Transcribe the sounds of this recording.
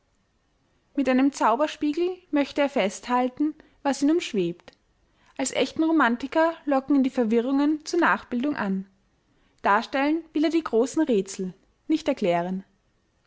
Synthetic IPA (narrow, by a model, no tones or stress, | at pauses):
mɪtʔaɪnəmt͡saʊbɐʃpiːɡl̩mœçtəeːɐfɛsthaltn̩ | vasiːnuːmʃv̥eːpt | ʔalsʔɛ̰çtn̩ʁomantɪkɐlɔkŋ̩diːfɛɐvɪʁʊŋənt͡suːɐnaːχb̥ɪldʊŋʔan | d̥aːɐʃtɛlənvɪleːɐdiːɡʁoːsn̩ʁeːt͡sl̩ | nɪçtɛɐkʰl̥ɛːʁ̞ən